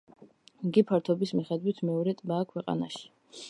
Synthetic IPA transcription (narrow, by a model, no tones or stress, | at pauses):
ɡipʰaɾt̪ʰɔbismiχɛd̪wit̪ʰmɛɔɾɛt̪ʼbaːkʰwɛqʼa̰na̰ʃi̥